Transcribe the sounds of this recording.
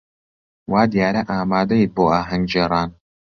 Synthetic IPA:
waːd̪ijaːɾɐʔaːmaːd̪ɐjit̪̚boːaːɦɐŋɡd͡ʒeːɾˤɑːn

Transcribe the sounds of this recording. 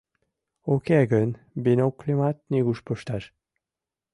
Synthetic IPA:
okeɡən | benoklʲimat̪̚niɣuʃpəʃt̪ɑʃ

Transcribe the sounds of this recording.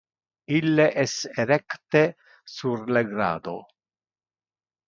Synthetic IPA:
ilːeʔɛseɾɛkt̪e | surleɡɾa̰ːd̪o̰

